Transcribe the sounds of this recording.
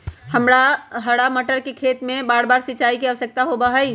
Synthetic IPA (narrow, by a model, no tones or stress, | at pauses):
həmɾaɦəɽaməʈəɾkekʰet̪mẽbaːɽbaːɾsit͡ʃaːikeəʋəsək̚t̪aɦobaɦəj